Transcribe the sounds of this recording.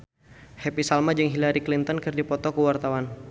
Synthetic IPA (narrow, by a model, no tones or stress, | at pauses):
hepisalmad͡ʒəŋɦilaɾiklint̪ɔnkɨrdipɔt̪ɔkuwart̪awan